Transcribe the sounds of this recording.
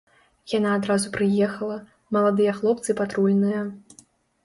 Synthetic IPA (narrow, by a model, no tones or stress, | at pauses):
janaːd̪ɾazupɾɨjɛxɐlˠɐ | mɐlˠad̪ɨjɐxlˠɔp̚t̪sɨpat̪ɾulʲnɨjɐ